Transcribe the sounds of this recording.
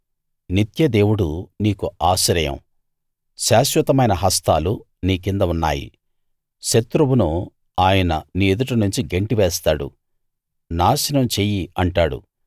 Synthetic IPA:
nit̪jɐd̪e̞ːwuɽuniːkuaːʃɾɐjɐ̰m | ʃaːʃʋɐt̪ɐmɐjnɐɦɐst̪aːlu | niːkind̪ɐunːa̰ːjḭ | ʃet̪ɾɐwunu | aːjɐnɐ̰niːed̪uʈɐnuɲt͡ʃiɡeɳʈiʋɛːst̪aːɽṵ | naːʃɐnɐmt͡ʃeːjiɐɳʈaːɽṵ

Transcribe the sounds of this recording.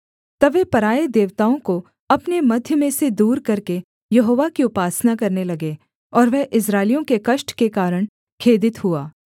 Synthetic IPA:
t̪ɐʋɛpɐɾaːed̪eːʋt̪aːõko | ɐpnemɐd̪ʱjəmẽsed̪uːɾkɐɾke | jɐɦoːʋakiʊpaːsnakɐɾnelɐɡeː | ɔːɾʋɛɦʔɪs̬ɾaːɪlijõkekɐʃʈkekaːɾəɽ̃ | kʰeːd̪ɪt̪ɦuaː

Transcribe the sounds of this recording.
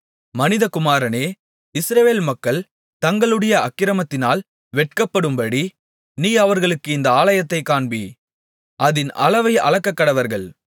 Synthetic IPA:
mɐnɪðɐkʊmaːɾɐneː | ɪsɾɐʋeːlmɐkːɐɭ | t̪ɐŋɡɐɭɯɽɐjɐɐkːɪɾɐmɐt̪ːɪnaːl | ʋɛʈ̚kɐpːɐɽɯmbɐɽi | niːɐʋɐɾɣɐɭɯkːɯɪnd̪ɐaːlɐjɐt̪ːɐɪkːaːɳbi | ʔɐðɪnʔɐ̰lɐʋɐɪɐ̰ɭɐkːɐkːɐɽɐʋɐɾɣɐɭ

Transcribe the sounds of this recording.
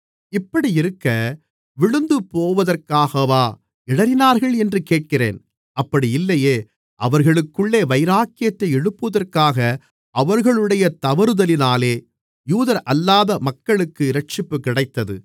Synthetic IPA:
ɪpːɐɽiɪɾɯkːɐ | ʋɪɻɯnd̪ɯpoːʋɐðɐrkaːɣɐʋaː | ɪɽɐɾɪnaːɾɣɐɭɛndrɯkeːʈ̚kɪrḛːn | ɐpːɐɽiɪlːɐjeː | ʔɐʋɐɾɣɐɭɯkːɯɭːeːʋɐɪɾaːkːɪjɐt̪ːɐɪɛɽɯpːɯʋɐðɐrkaːɣɐ | ʔɐʋɐɾɣɐɭɯɽɐjɐt̪ɐʋɐɾɯðɐlɪnaːleː | juːðɐɾʔɐlːaːðɐmɐkːɐɭɯkːɯɪɾɐʈ̚t͡ʃɪpːɯkɪɽɐɪt̪ːɐðɯ̰

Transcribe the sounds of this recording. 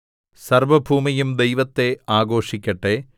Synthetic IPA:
sɐrʋɐbʱuːmijumd̪e̞jʋɐt̪ːe̞aːɡo̞ːʂikʲːɐʈːe

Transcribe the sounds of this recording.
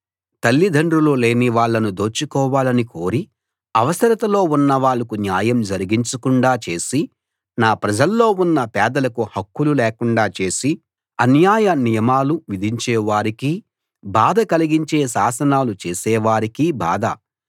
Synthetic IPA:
t̪ɐlːid̪ʱɐɳɖɾulole̞ːniʋaːɭːɐnud̪o̞ːt͡ʃːikɔːʋaːlɐniko̞ːɾi | ɐʋɐsɐɾɐt̪ɐlo̞ːunːɐʋaːɭːɐkunjaːjɐmd͡ʒɐɾiɡiɲt͡ʃɐkuɳɖaːt͡ʃe̞ːsi | naːpɾɐd͡ʒɐlːo̞ːunːɐpɛːd̪ɐlɐkuhɐkːululɛːkuɳɖaːt͡ʃe̞ːsi | ɐnjaːjɐnijɐmaːluʋid̪ʱiɲt͡ʃɛːʋaːɾiki | baːd̪ʱɐkɐliɡiɲt͡ʃe̞ːsaːsɐnaːlut͡ʃe̞ːsɛːʋaːɾikiba̰ːd̪ɐ̰

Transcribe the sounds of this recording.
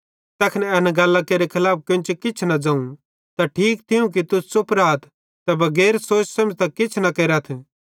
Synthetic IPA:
t̪ɛːkʰnɛɛnaɡaːlːakeːɾekʰɐlaːp̚kɪ̃t͡ʃekɪt͡ʃʰnɐd͡zãːũ | t̪aʈʰiːkt̪ʰɪũk̬it̪ʊsʊpɾaːt̪ʰ | t̪ɐbɐɡɛːɾsoːt͡ʃsɐmt̪ɐkɪt͡ʃʰnɐkeːɾat̪ʰ

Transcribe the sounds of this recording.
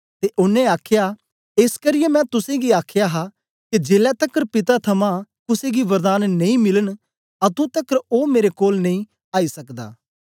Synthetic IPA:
t̪eʔʊnːẽaːkʰja | eːskəɾɪjemɛ̃ːt̪ʊsẽɡiaːkʰjaɦa | ked͡ʒeːlɛt̪ɐkːəɾpɪt̪at̪ʰɐmãk̪ʊseɡiʋɐɾd̪aːnːɐĩmɪlən | at̪ũt̪ɐkːəɾoːmeːɾekoːlnɐ̃ĩ | aːisɐkd̪a̰ː

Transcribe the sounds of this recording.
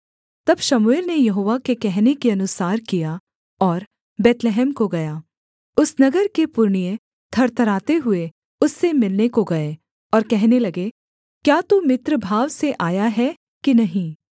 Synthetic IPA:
t̪ɐbʃɐmueːlnejɐɦoːʋakekɛɦnekeɐnʊsaːɾkija | ɔːɾ | bɛːt̪lɛɦɛːmkoɡɐjaː | ʊsnɐɡəɾkepʊɾɳije | t̪ʰɐɾt̪ɐɾaːt̪eɦʊe | ʊsːemɪlnekoɡɐe | ɔːɾkɛɦnelɐɡe | kjaːt̪umɪt̪ɾəbʱaːʋseʔaːjaɦɛ | kinɐɦĩː

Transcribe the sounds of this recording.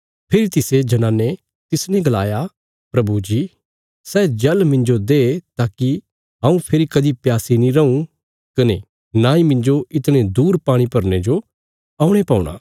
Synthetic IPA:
pʰɪɾit̪ɪsed͡ʒɐnãːnːe | t̪ɪsnɛ̃ɡɐlaːja | pɾɐbud͡ʒi | sɛːd͡ʒɐlmɪ̃nd͡ʒod̪et̪aːki | ɦãːũpʰɪɾikɐd̪ipjaːsinĩɾɐũ | kɐne | nãːĩmɪ̃ɲd͡ʒoɪt̪ɽ̃ed̪uːɾpaːɽ̃ipɐɾned͡ʒo | aːʊ̃ɽ̃epaːuɽ̃a̰ː

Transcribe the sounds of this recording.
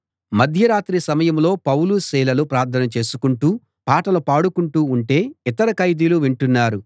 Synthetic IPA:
mɐd̪ʱjɐɾaːt̪ɾisɐmɐjɐmlo̞ːpɐwlusiːlɐlupɾaːɾt̪ʰɐnɐt͡ʃe̞ːsukuɳʈuː | paːʈɐlɐpaːɽukuɳʈuːɳʈe̞ːit̪ɐɾɐkɐjd̪iluʋiɳʈunːaːɾu

